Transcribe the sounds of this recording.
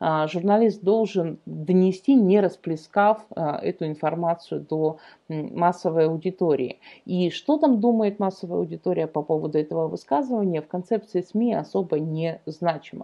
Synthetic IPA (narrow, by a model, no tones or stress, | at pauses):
ʐʊrnɐlʲist̪̚d̪o̞lˠʐɨnd̪ənʲɪsʲtʲinʲɪɾəsplʲɪskafɛ̰t̪ʊɪnfɐrmat̪sɨjʊd̪o | masːəvəjɐʊdʲɪt̪oɾʲɪ̰ɪ̰iʂt̪o̞t̪amd̪uməjɪt̪masːəvəjɐ̰ʊdʲɪt̪oɾʲɪjəpɐpo̞vəd̪ʊɛt̪əvəvɨskazɨvənʲɪjəfkɐnt̪sɛp̚t̪sɨɪsmʲiɐ̰so̞bənʲɪznat͡ɕɪmə̰